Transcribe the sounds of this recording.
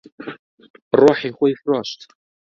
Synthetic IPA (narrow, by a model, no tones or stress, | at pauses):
rʊħiχʷaifraʃtʰʼ